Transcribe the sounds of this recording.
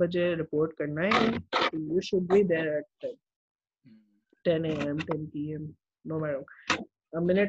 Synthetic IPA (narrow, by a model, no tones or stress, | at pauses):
bəd͡ʒeɾɪpoːɾʈkɐɾnaɦ | juʃʊɖ̚bid̪eɾɛʈ̚ | ʈɛ̃neːɛ̃mʈɛ̃npiɛ̃m | noːmæɾə̃m | əmɪnɪʈ